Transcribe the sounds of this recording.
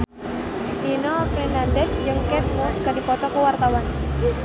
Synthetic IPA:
ʔinɔfɾɛnandɛsd͡ʒɨŋkɛt̪̚muskərdipɔt̪ɔkuwart̪awan

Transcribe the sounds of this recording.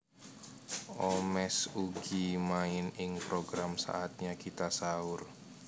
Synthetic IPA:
ʔomɛsuɡ̥imaɪnɪŋpɾoɡɾamsa̰ʔat̪̚ɲakit̪asaʊr

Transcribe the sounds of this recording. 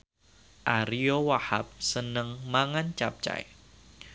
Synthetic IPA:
ʔaɾiowahap̚sənəŋmaŋant͡ʃap̚t͡ʃa̰j

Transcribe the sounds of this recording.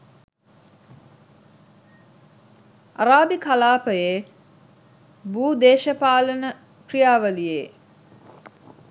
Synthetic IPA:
aɾaːbikalaːpəjeː | buːd̪eːʃəpaːlənə | krijaːʋəlije

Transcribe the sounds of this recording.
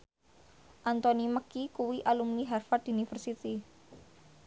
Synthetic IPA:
ʔant̪ɔniməkikuwiʔalumniɦɛrfat̪unifərsit̪i

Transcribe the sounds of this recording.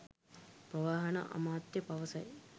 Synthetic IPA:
prəʋaːɦɐna̰ʔa̰maːt̪jəpaʋəsɐj

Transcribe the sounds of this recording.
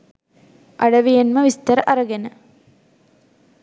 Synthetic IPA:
ʔɐɽɐʋijɐnmɐʋist̪ɐɾɐʔɐɾɐɡɐnɐ

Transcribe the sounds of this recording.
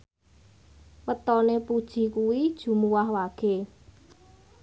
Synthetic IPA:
wət̪ɔnepud̥ʒ̥i̤kuwid̥ʒ̥ṳmuwaɦwaɡ̥e̤

